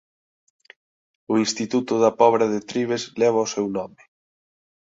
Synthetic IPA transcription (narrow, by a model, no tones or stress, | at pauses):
ʊinst̪it̪ut̪ʊðɐpɔβɾaðet̪ɾiβ̞ezlɛβ̞aʊsɛwnɔmɪ